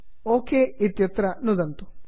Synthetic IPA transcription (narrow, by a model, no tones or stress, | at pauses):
oːkeːit̪jɐt̪ɾɐnud̪ɐnt̪u̥